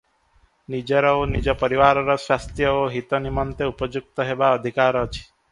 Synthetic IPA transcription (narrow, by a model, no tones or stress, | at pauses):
nid͡ʒəɾɔonid͡ʒɔpəɾiʋaɾɔɾɔsʋast̪ɾjəoɦit̪ɔnimɔnt̪eupəd͡ʒuk̚t̪ɔɦeʋaəd̪ʱikaɾɔt͡ʃʰi̥